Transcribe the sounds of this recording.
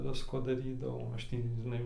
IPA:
ˈʋʲɪskoː dɐˈrʲiːdɐʋɐʊ ˈɐʃ ˈtʲiː ʒʲɪˈnɐɪ

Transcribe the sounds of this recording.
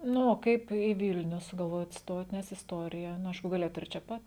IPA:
ˈnʊ oː ˈkɐɪp iː ˈʋʲɪlʲnʲʊ sʊɡɐlˠˈʋoːjoːt ˈstoːt nʲɛs ɪsˈtoːrʲɪjɛ nʊ ˈɐɪʃkʊ ɡɐˈlʲeːjoːt ɪr t͡ʃʲɛ ˈpɐt

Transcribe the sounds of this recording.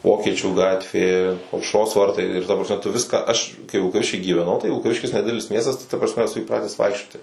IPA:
ˈʋoːkʲiɛt͡ʃʲuː ˈɡɑːtʲʋʲeː ɐʊʃˈroːs ˈʋɐrtɐɪ ɪr tɐ prɐsʲˈmʲɛ tʊ ˈʋʲɪskɑː ˈɐʃ kɐɪ ʋʲɪlˠkɐˈʋʲɪʃʲkʲiː ɡʲiːʋʲɛˈnɐʊ tɐɪ ʋʲɪlˠkɐˈʋʲɪʃʲkʲɪs nʲɛˈdʲɪdʲɛlʲɪs ˈmʲiɛstɐs tɐɪ tɐ prɐsʲˈmʲɛ ɛˈsʊ iːˈprɑːtʲɛs ˈʋɐɪkʃʲt͡ʃʲoːtʲɪ

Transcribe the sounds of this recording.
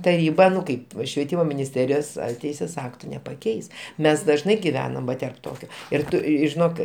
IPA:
tɐˈrʲiːbɐ ˈnʊ ˈkɐɪp ʃʲʋʲiɛˈtʲiːmoː mʲɪnʲɪsʲˈtʲæːrʲɪjoːs ɐr ˈtʲɛɪsʲeːs ˈɑːktʊ nʲɛpɐˈkʲɛɪs ˈmʲɛs dɐʒˈnɐɪ ɡʲɪˈʋʲæːnɐm ˈʋɐ tʲɛrp ˈtoːkʲoː ɪr ˈtʊ ʒʲɪˈnoːk

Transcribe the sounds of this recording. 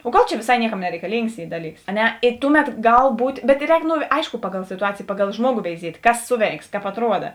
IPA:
oː ˈɡɐlˠ t͡ʃʲɛ ʋʲeːˈsɐɪ ˈnʲiɛˌkɐm nʲɛrʲɛɪkɐˈlʲiːŋks ˈiː ˈdɑːˌlʲiːks ɐ ˈnʲɛ ɪ ˈtʊˌmʲɛt ˈɡɐlˠ ˈbuːtʲ bʲɛt ˈrʲɛːk noː ˈɐɪʃkoː ˈpɑːˌɡɐlˠ sʲɪtʊˈɑːt͡sʲeːjeː ˈpɑːˌɡɐlˠ ˈʒmuɔɡoː ʋʲɛɪˈzʲiɛtʲ ˈkɐs ˈsʊˌʋʲɛɪks kɑːp ɐtˈruɔdɐ

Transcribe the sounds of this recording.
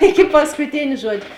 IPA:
ˈɪkʲɪ pɐskʊˈtʲeːnʲ ˈʒuɔd͡ʒʲʊ

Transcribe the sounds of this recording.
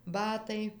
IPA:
ˈbɑːtɐɪ

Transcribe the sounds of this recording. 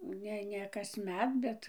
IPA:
ˈnʲɛ ˈnʲɛ kɐsʲˈmʲɛt ˈbʲɛt

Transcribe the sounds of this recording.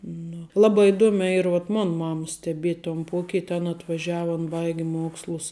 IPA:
nʊ ˈlˠɑːbɐ ɪˈduɔmʲæː ˈiːr ʋuɔt ˈmoːn ˈmɑːmɐs sʲtʲɛˈbʲiɛtʲ toːn ˈpuɔkʲɪtʲ ɐn ɐtʋɐˈʒʲæːʋɐ ɐn ˈbɐɪɡʲɪ ˈmuɔkslˠʊs

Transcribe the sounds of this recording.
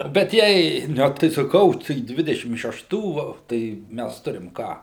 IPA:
bʲɛt ˈjɛɪ ˈnʲɛ tɐɪ sɐˈkɐʊ tɐɪ ˈdʲʋʲɪdʲɛʃʲɪm ʃʲɛˈʃtuː ˈʋɐ tɐɪ ˈmʲæs ˈtʊrʲɪm ˈkɑː

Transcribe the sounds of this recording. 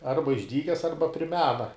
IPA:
ˈɐrbɐ ɪʒʲˈdʲiːkʲɛs ˈɐrbɐ pʲrʲɪ ˈmʲæːnɐ

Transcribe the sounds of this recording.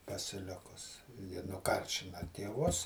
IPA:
pɐsʲɪˈlʲɪkʊs jɪ nʊˈkɐrʲʃʲɪnɐ tʲeːˈʋʊs

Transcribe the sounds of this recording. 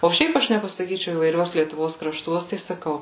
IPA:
oː ˈʃʲɛɪp ˈɐʃ nʲɛpɐsɐˈkʲiːt͡ʃʲɛʊ iːʋɐɪˈrʲuɔs lʲiɛtʊˈʋoːs krɐˈʃtuɔs tɐɪ sɐˈkɐʊ

